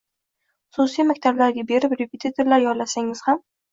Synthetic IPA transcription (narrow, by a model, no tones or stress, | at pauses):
χʊsusijmakʲt̪ʰablaɾɡʲabe̞ɾɪpɾepʰet̪ʰit̪ʰeɾlaɾjɒɾlasaŋɪz̥ham